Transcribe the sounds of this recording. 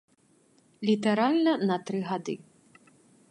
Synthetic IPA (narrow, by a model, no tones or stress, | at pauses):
lʲit̪ɛɾalʲnɐnɐt̪ɾɨɣad̪ɨ